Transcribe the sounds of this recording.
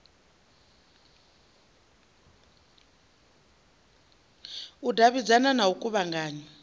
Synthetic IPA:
udʱaβid͡zananaukʼuβaŋɡaːɲɛ

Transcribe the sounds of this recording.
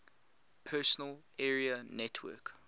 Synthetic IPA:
pʰɛsənəl | ɛːɹiənɛtʰwɜ̰ˑk

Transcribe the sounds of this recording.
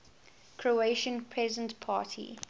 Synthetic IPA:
kʰɹoeɪʃə̃npʰɹɛzə̃ntpʰa̰ːtʰḭ

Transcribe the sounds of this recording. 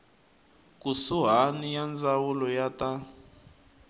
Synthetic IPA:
k̬ʼusuɦanijand͡zawulɔjata

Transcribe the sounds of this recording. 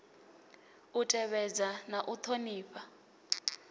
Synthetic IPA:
utʼɛɓɛd͡zanaʔut̪ʰoniːɸa

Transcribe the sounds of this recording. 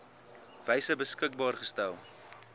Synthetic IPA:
v̥ɛjsəbəskək̚bɑːrχəstælˠ

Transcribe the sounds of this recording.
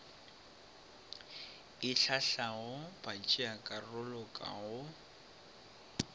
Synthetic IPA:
ɪɬaɬaɣʊbat͡ʃʼiakʼarʊlɔkʼa̰ɣʊ

